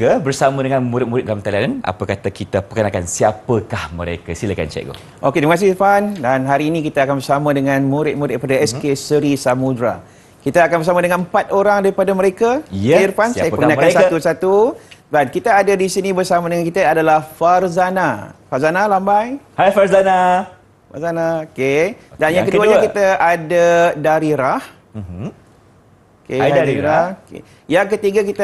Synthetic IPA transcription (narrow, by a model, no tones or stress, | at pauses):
əbərsamə̃dəŋãnmuɾɪt̪̚muɾɪt̪̚dalamt̪alanana̰pəkat̪akit̪apəkənakansiapəkahməɾḛkasiləka̰nt͡ʃɛ̰k̚ɡo̰ | ʔoket̪iməkas̬ɪhfandanɦaɾiːnĩkit̪aakanbərsamãdəŋãnmũɾɪt̪̚muɾɪt̪̚padaɛskesəɾisamudɾa | kit̪aːkanbəsamadəŋãnmpat̪̚oɾaŋdaɾipadaməɾekairpanssajapəkənaanksausat̪ubat̪̚kit̪aːdadisinĩbərsamadəŋankit̪aadalahfarzanafazanalambajhajfaɾzana | fazanaokedanjaŋkəduaɲakit̪aadadaɾiɾah | okeadaiɾakḛ | jaŋkət̪iɡakit̪a